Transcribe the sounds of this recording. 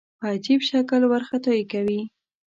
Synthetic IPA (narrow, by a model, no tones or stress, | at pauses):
pəad͡ʒibʃakəlwaɾxat̪ojkawi